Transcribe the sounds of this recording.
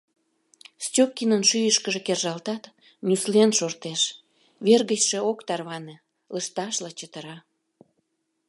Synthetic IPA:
st͡ɕʲokːinənʃyjəʃkəʒekerʒɑlt̪ɑt̪ | nʲyslenʃort̪eʃ | βerɣəɕʃeokt̪ɑrβɑne | ləʃt̪ɑʃlɑt͡ɕət̪əɾɑ

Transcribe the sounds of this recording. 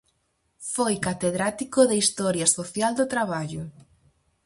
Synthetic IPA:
fojkat̪eðɾat̪ikoðeist̪ɔɾjɐsoθjald̪ʊt̪ɾaβaʎʊ

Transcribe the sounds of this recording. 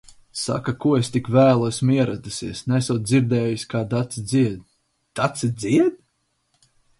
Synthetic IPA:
sa̰kakuɔest̪ikvæːlˠuesmiɛɾad̪usiɛsnæsuwt̪̚d̪ziɾd̪ɛːjusʲkaːd̪at̪sid̪ziɛd̪ | d̪̥at̪sɨd̪ziɛd̪̚

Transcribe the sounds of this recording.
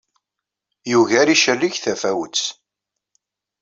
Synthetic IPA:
juʝæɾiʃərːiçθæfæwət͡s

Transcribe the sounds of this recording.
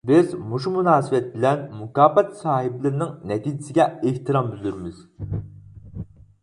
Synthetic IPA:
bɪzmoʃumunɑːsɨwɛt̪̚bɪlɛnmukɑːpɛt̪sɑːhɪblɪɾnɪŋnɛt̪ʰiːd͡ʒɪsɪɡʲɛeht̪ɨɾɑmbyzyɾmɪz̥

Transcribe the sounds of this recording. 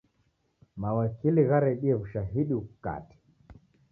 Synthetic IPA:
mawakiliɣaɾɛɗiɛvuʃaɦiɗikuka̰ti̥

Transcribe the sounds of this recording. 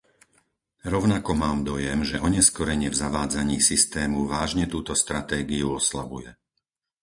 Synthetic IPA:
ɾɔʊnakɔmaːmd̪ɔjɛmʒɛʔɔɲɛskɔɾɛɲɪɛvzaʋaːd͡zaɲiːsist̪ɛːmuʋaːʒɲɛt̪uːt̪ɔst̪ɾat̪ɛːɡiuɔslabujɛ

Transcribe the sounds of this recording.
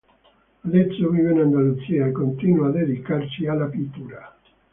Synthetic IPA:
alet̪sːovivenand̪alut̪siːakont̪inwad̪ed̪ikart͡ʃialːapit̪ːuːɾa

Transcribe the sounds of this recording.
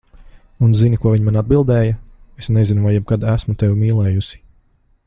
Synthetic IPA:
unzinikuɔiɲmanad̪̚bilˠd̪ɛːjɐesnezinuvajːɛb̚kad̪æsmut̪ɛwmiːlˠɛːjusi̥

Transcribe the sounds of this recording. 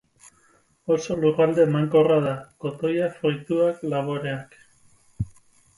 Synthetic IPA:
o̞so̞lurald̪e̞maŋko̞raðako̞t̪o̞jafojt̪uaklaβo̞ɾeak

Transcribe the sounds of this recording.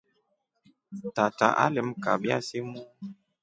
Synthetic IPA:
tata̰ʔa̰limkabja̰simu

